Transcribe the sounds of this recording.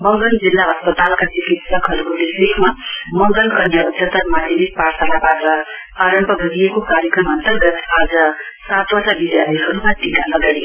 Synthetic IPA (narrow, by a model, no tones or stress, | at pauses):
bʌŋɡʌnd͡zilːaɦʌspʌt̪alkat͡sikit̪sʌkɦʌɾukobisekmamʌŋɡʌlkʌnjaut̪sʌt̪ʌrmad̪ʱemik̚pasʰanabaɾʌ | aɾʌmpʌbʱʌɡijekokaɾjekrʌmʌnt̪ʌrɡʌt̪ʰad͡zʌ | sat̪bʌsabid̪jalʌjɦʌɾumat̪ikalʌɡaj